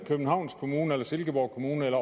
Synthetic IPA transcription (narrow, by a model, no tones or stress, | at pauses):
kʰøb̥n̩hɑ̈ʊnskʰo̝muːnəelɐse̝lɡ̥əb̥ɒʊkʰo̝muːnəelɐ